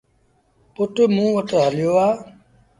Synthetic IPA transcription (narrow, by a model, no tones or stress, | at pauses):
pʊʈmũːʋəʈɦəljoːaː